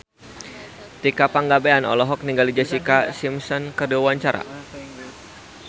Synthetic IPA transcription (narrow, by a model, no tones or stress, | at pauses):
t̪ikapaŋɡabeanɔ̰lɔɦɔk̚niŋɡalid͡ʒasikasimsɔnkərduwawaɲt͡ʃaɾa̰